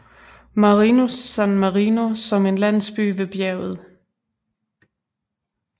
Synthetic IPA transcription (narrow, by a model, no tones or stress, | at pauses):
mɑʁinosænmɑʁino̝sɒ̽me̝nlæn̰sb̥y̰ːʋe̝b̥jɛɐʊð̩ˠ